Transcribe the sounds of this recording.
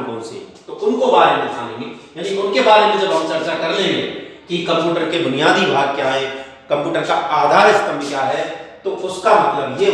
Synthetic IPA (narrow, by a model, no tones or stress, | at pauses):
ko̰ːnsḛt̪oʔʊnkobaːɾemẽd̪ɪkʰa̰ːlḛ̃ːŋɡejaːniʊnkebaːɾemẽd͡ʒɐbɦəmt͡ʃɐɾt͡ʃakɐɾlẽmḛ̃ːkikə̃mpjuːʈəɾkebʊnijaːd̪ibʱaːɡ̚kjaːɦɛ̃ː | kə̃mpjuːʈəɾkaaːd̪ʱaːɾɪst̪əmkjaɦɛt̪oʊskamɐt̪ləbje